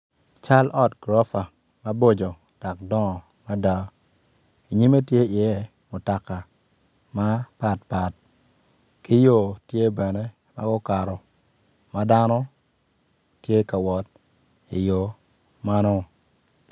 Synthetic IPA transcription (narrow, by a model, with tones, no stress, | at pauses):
t͡ʃa˦lʔɔ˦tɡ̥ɾɔ˦fa˨ | ma˦bo˦d͡ʒo˨ | d̥a˨kdɔ˦˨ma˦da˦ | i˨ɲi˦me˦tje˦ɪ˨ɛɛ˦ | mʊ˨ta˨ka˨ma˦pa˨tpa˨t̚ | ki˦jo˦˨tje˦bɛ˨ne˦ | ma̰˦ɡʊ˦ka˨ɾɔ˨ma˦da˦nɔ˦ | tje˦ka˨wɔ˨t̚ | ḭ˨jo˨ma˦nɔ˦